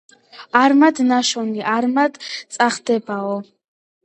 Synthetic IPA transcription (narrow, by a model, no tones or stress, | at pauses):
aɾmad̪naʃɔniʔaɾmad̪t̪sʼaχd̪ɛbaɔ